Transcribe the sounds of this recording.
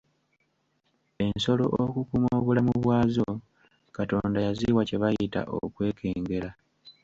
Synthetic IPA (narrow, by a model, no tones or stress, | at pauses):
e̞nso̞lo̞̰ʔokukumoːβulamuβwaːzo̞ | kato̞ːndajaziwace̞βajita̰ʔo̰kwe̞ːkʰe̞ːŋɡe̞la